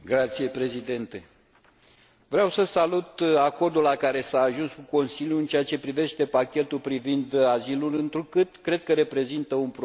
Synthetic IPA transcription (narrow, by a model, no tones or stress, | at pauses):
ɡɾat̪sije̞pɾe̞zid̪e̞nt̪e̞ | vɾeawsəsalut̪ako̞rd̪ulːakaɾe̞saːʒunskuko̞nsiljuɨnt͡ʃe̞at͡ʃe̞pɾive̞ʃt̪e̞pakʲe̞t̪ulpɾivind̪azilulɨnt̪ɾukɨt̪kɾe̞d̪̚kəɾe̞pɾe̞zint̪əunpɾ